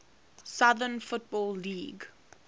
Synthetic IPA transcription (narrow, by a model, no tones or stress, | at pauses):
saðənfʊt̚bɔːlːiːɡ